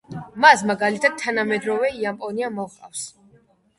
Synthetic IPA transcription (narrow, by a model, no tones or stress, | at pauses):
masmaɡalit̪ʰad̪̥̚t̪ʰːanamɛd̪ɾɔvɛiampʼɔniamɔvqʼa̰fs